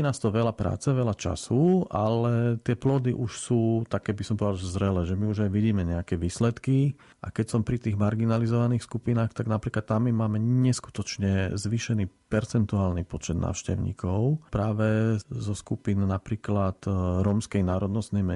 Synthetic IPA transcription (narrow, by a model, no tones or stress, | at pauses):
naːst̪ɔʋɛlapɾa̰ːt͡sɛʋɛlat͡ʃa̰suʔalɛt̪ɪɛplɔd̪iʔuʃsuːt̪akɛːbisɔmpɔd̪azɾɛlɛːʒɛmiuʒajʋiɟiːmɛɲɛakɛʋiːslɛt̪ki | ʔa̰kɛcsɔmpɾit̪iːɣmaɾɡinalizɔʋaniːxskupinaːxt̪aɡnapɾiːklat̪ːamːimaːmɛɲɛsku̥t̪ɔt͡ʃɲɛzʋiːʃɛniːpɛɾt͡sɛnt̪uaːlnipɔt͡ʃɛd̪na̰ːʊʃcɛ̰ʊɲḭːkʰɔʊpɾaːʋɛzɔskupinnapɾiːklat̪ɾɔmskɛjnaːɾɔd̪nɔst̪nɛjmɛ